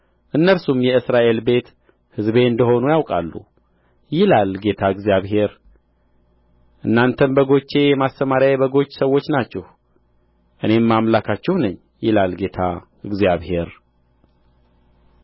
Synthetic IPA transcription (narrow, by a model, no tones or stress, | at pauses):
ʔɨnːəlsumjɛɨsɾaʔelbe̞t̪ | hɨzbe̞ɨnd̪əho̞nujawkʼa̰lːṵ | jɪlalɡe̞t̪ʰaɨɡzijaβɦe̞ɾ | ʔɨnːant̪ʰənbəɡo̞t͡ʃːe̞jɛmast̪ːəmaɾjajbəɡo̞t͡ʃːsəwːo̞t͡ʃːnat͡ʃːɛh | ʔɨne̞mːamlakʰat͡ʃːɛhwnəɲː | jɪlalɡe̞t̪ʰa̰ | ɨɡzjaβhe̞ɾ